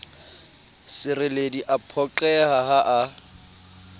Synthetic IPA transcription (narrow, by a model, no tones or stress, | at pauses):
sɪrɪlediʔapʰɔǃɛhaɦaʔa